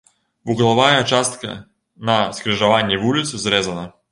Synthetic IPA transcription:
vuɣlˠavajɐt͡ʃast̪kɐ̰ | nɐskɾɨʐɐvanʲːɛvulʲit̪sɨzɾɛzɐnɐ

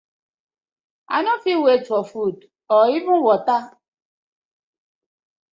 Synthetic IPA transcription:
a̰nɔfiwet͡ʃɔfud | ɔibũwɔta

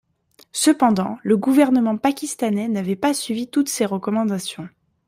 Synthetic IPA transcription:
səpɑ̃d̪ɑ̃ləɡuvɛʁnəmɑ̃pakʲist̪anɛnavɛpasɥivit̪ut̪seʁəkɔmɑ̃d̪asjɔ̃

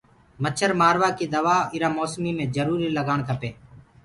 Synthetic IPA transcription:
mət͡ʃʰəɾmaːɾʋaːkiːd̪əʋaːɪɾaːmoːsmiːmẽːd͡ʒəɾuːɾiːləɡaːɳt̪ʰəpeː

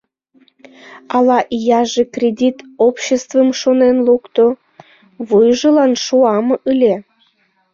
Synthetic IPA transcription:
ɑlɑʔijɑʒekrʲed̪ʲit̪opɕest̪vəmʃonenlukt̪o | βujʒəlɑnʃuɑmʔɯlʲe

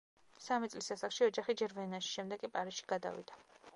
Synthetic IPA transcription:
samit̪sʼlisasaχʃiɔd͡ʒaχid͡ʒɛɾvɛnaʃi̥ʃɛmd̪ɛɡkʼipʼaɾisʃi̥ɡ̥ad̪a̰vḭd̪̥a

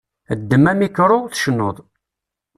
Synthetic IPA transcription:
əd̪ːəmːæmikːɾʊθʃənːoðˤ

